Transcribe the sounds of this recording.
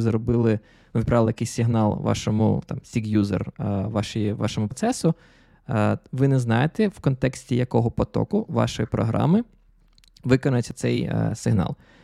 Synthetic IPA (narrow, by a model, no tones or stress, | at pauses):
zɾɔbɪlˠɪ | nuʋʲt̪̚pɾɑʋlˠjɐkɛjsʲsʲɪɦnɑlˠʋɑ̰ʃɔmʊ̰t̪ɑmsʲiɡjuzḛrʋɑʃjiʋɑ̰ʃɔmʊptsɛsʊ | ʋɪnɛznɑjet̪ɛwkɔnt̪ɛksʲtʲijɐkɔɦɔpɔt̪ɔ̰kʊʋɑ̰ʃɔjipɾɔ̰ɦɾʔɑ̰mɪ | ʋɪkɔnʊjet͡sʲːɐ̥t̪sɛj̰sɪɦnɑ̰lˠ